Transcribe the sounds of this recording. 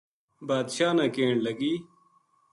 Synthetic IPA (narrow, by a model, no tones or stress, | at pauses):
baːd̪ɕaːnãːkeːɳlɐɡiː